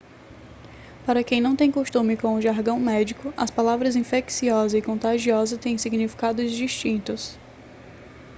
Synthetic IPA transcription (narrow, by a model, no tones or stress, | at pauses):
paɾɐkẽj̃nɐ̃w̃t̪ẽj̃koʃt̪ũmɪkõw̃ʊʒaɾɡɐ̃w̃mɛd͡ʒikʊɐspalavɾɐzĩfeksiɔzɐɪkõnt̪aʒiɔzɐt̪ẽj̃siɡnifi̥kad̪ʊzd͡ʒiʃt͡ʃĩnt̪ʊs